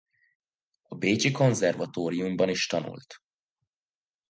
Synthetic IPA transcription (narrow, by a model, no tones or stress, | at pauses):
ɒbeːt͡ʃiko̞nzɛrvɒt̪oːɾiumbɒniʃt̪ɒnṵlt̪